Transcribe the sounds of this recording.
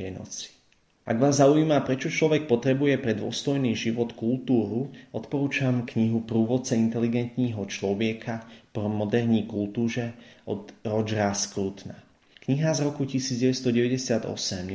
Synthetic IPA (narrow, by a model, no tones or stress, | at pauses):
ɛnɔ̰t͡si̥ | ʔa̰ɡʋaːzːaujiːmapɾɛt͡ʃɔt͡ʃlɔʋɛk̚pɔt̪ɾɛbujɛpɾɛd̪ʊɔ̰st̪ɔjniːʒiʋɔt̪kult̪uːɾuɔt̪pɔɾuːt͡ʃamkɲiɦupɾuːʋɔt͡sɛint̪ɛliɡɛnt̪ɲiːɦɔt͡ʃlɔʋɪɛkʰapmɔd̪ɛɾɲiːkult̪uːʒɛʔɔd̪ɾɔd͡ʒɾaskɾut̪na | kɲiɦazɾɔkucisiːd͡zɟɛʋɛst̪ɔɟɛʋɛɟɛsɪad̪ɔ̰sɛm